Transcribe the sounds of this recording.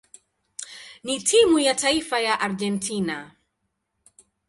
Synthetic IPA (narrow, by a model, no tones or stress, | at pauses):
nitʰimujataifajaʔaɾd͡ʒɛntʰina